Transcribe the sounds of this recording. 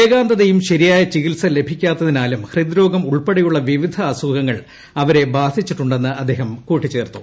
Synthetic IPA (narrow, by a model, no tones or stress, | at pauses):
eːɡaːnd̪ɐðejumɕɐɾijaːjɐt͡ɕiɣilsɐle̞bʱikʲːaːt̪ːɐðinaːlumhrid̪ɾo̞ːɡɐmuɭpeɽɐjuɭːɐʋiʋid̪ʱɐːsuɡɐŋːɐɭ | ɐʋɐɾe̞baːd̪ʱit͡ɕːiʈːuɳɖenːɨʔɐd̪ːe̞ːɦɐmkuːʈːit͡ɕːe̞ːrt̪u